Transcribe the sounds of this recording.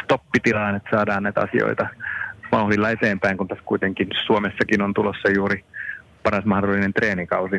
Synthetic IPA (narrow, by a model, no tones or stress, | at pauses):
st̪opːit̪ilɑːnet̪sɑːdɑːnnæit̪ɑ̰sio̰it̪ɑmɑuhlilːɑet̪eːmpæiŋkunt̪æskuit̪eŋkinsuomesːɑkinont̪ulosːɑjuːɾipɑrɑsmɑhdolːinent̪reːnikɑusi